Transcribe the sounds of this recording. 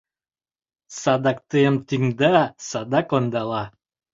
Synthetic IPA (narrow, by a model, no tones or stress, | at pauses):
sad̪ak̚t̪ɨmt̪iŋd̪asad̪akond̪alˠɑ